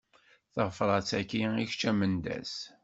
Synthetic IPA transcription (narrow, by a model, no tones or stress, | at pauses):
θəʁfɾˤɑt͡sːækiiçt͡ʃːæmənd̪æ̰s